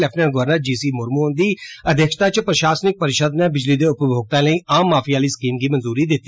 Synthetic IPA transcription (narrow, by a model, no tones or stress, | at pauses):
lɛpʰnənɡʊʋəɾnaːd͡ʒiːsiːmʊɾmuːnd̪iːəd̪jəkʃt̪aːt͡ʃpɾəʃaːsnɪk̚pəɾɪʃəd̪nẽːbɪd͡ʒliːd̪eːʊpbjoːɡ̚t̪ãːləiːaːmːaːpʰiːaːliːsə̥kiːmɡiːmənzuːɾiːd̪ɪt̪ːiː